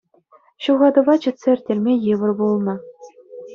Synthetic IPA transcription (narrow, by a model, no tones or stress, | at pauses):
ɕuʁɑd̪ɤ̆ʋɑt͡ɕɘ̆t̪ʲsʲeɘ̆rʲtʲelʲmʲejɯʋɤ̆rbulˠnɤ̆